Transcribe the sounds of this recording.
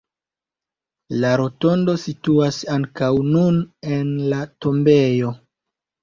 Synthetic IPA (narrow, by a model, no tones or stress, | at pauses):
laɾo̞to̞ndo̞situasaŋkawnunenlato̞mbe̞jo̞